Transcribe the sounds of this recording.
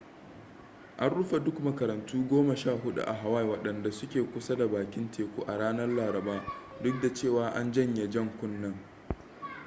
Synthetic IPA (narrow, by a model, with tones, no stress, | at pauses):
ʔa˦nɽʊ˦ɸe˨dʊ˦kmɐ˨kɐ˨ɾɐ˨ntuː˦ɡʷoː˦mɐ˨ʃaː˦˨ɦʊ˦ɗṵ˦˨ʔa̰˨ɦa˨wa˦jwɐ˨ɗɐ˨nda˨sʊ˦kʲeː˨kʷʊ˦sa˦da˨baː˨kʲɪ˦ntʰeː˨kʷuː˦ʔa˨ɽaː˦nɐ˦rlaː˨ɾɐ˨baː˦dʊ˦k̚da˨t͡ʃeː˦˨waː˨ʔa˦nd͡ʒɐ˦ɲje˨d͡ʒɐ˦˨ŋkʷʊ˦nːɐ˦˨ŋ